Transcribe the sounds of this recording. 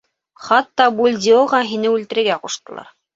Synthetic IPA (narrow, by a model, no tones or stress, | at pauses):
χɑt̪ːɑbulʲd̪ʲioʁɑɦinɘʉlt̪ɘ̆ɾɘ̆ɾɡæquʃt̪ɤ̆lˠɑ̰ɾ